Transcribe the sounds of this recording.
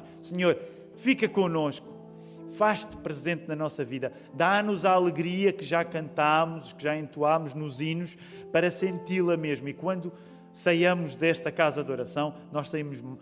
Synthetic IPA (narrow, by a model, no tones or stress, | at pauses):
sɨɲoɾ | fikɐkõnoʃku̥ | faʃt̪pɾɨzẽnt̪nɐnɔsɐviðɐ | d̪anuzaːlˠɨɣɾiɐkɨʒakɐ̃nt̪amuzikɨʒaẽnt̪uamuʒnuzinuʃ | pɐɾɐsẽnt̪ilˠɐmeʒmuikwɐ̃nd̪u | sɐjɐmuʒd̪ɛʃt̪ɐkazɐd̪ɔɾɐsɐ̃w̃nɔʃsɐimuʒ